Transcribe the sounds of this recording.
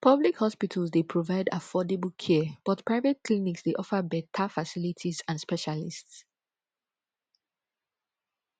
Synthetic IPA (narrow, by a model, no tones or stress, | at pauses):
pʰʌblikhɔspitʰəlzdepʰɹovaɪda̰fɔdebl̩ˠkʰɛb̥ɔtpʰɹ̥aɪvɛt̚kʰliniksdeʔɔfəbɛtʰəfasilitʰizãnspɛʃalists